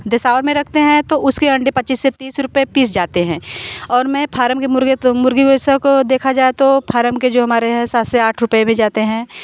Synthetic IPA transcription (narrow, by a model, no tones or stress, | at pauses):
d̪ɪsaːʋəɾmẽɾɐkʰt̪eɦɛ̃t̪oʊskeɐ̃ɳɖepɐtːt͡ʃiːsːet̪iːsɾʊpepiːs̬d͡ʒaːt̪eɦɛ̃ːɔːɾmɛ̃pʰaːɾəmkemʊɾemʊɾɡiɡosakod̪eːkʰad͡ʒaːet̪opʰaːɾəmked͡ʒoːɦɐmaːɾeɦɛ̃saːt̪seaːʈʰɾʊpemẽd͡ʒaːt̪eɦɛ̃ː